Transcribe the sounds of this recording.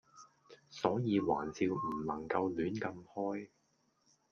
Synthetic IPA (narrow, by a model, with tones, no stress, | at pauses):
sɔː˨˥jiː˨˧wa̰ː˨˩nt͡siː˧wm̩˨˩lɐ˨˩ŋkɐ˧wlyː˨˥nkɐ˧mhɔː˥j